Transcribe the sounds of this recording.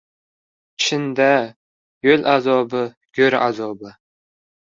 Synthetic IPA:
t͡ʃʰɪnd̪a | jølʔazɒbɪ | ɡ̥ʲøɾa̰zɒbɪ

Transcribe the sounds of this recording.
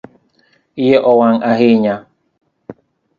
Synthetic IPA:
ijeʔowaŋaɦiɲã

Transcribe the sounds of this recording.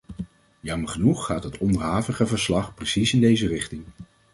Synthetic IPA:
jɑməɹχənuχːaːtɦətɔndəɹɦaːvəχəvəɹslɑχprəsisɪndejzərɪχtɪŋ

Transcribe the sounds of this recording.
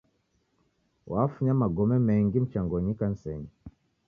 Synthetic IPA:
wafuɲamaɡɔmɛmɛŋɡim̩t͡ʃaŋɡɔɲikan̩sɛɲi

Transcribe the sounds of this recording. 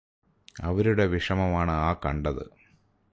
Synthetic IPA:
ɐ̰ʋɐɾuɽe̞ʋiʂɐmɐmaːɳɨaːkɐɳɖɐðɨ̰

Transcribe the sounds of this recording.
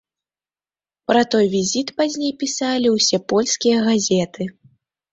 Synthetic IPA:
pɾɐt̪ɔjvʲizʲit̪pazʲnʲejpʲisalʲiwsʲɛpɔlʲskʲijɐɣazʲɛt̪ɨ

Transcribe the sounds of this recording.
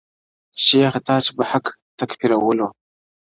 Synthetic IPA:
ʃeːxtʰaːt͡ʃbaħaktʰakpʰiɾawulo

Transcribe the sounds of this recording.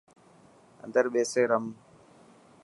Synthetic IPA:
ɐ̰nd̪ɐɾɓeːseɾɐm

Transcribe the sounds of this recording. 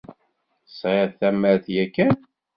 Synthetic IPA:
sˤeθæməɾθjækːæn

